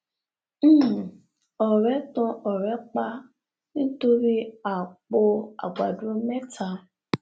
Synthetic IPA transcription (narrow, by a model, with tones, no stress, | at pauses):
ɔ˨ɾɛ˨˦tɔ̃˧ʔɔ˨ɾɛ˨˦k͡pa˧ | nĩ˦to˧ɾi˦a˨k͡po˧a̰˨ɡ͡ba˨du˨o˦mɛ˦tʰa˧˦